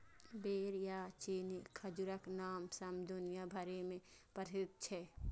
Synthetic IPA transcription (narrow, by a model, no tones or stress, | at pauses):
beːɾjaːt͡ʃiːnikʰɐd͡ʒuɾəknaːmsɐmd̪ʊnijabʱɐɾemẽpəɾɪt̪̚t͡ʃʰɛː